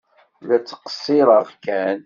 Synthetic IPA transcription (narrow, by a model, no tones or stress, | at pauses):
læt͡sːə̥qə̥sˤːiɾˤəʁkæn